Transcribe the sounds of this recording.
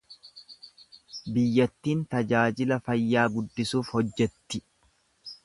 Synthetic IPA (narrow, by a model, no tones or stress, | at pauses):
bɪjːɛt̪ːiːnt̪ɐd͡ʒaːd͡ʒɪlɐfɐjːaːɡʊd̪ːɪsuːfhɔd͡ʒːɛt̪ːɪ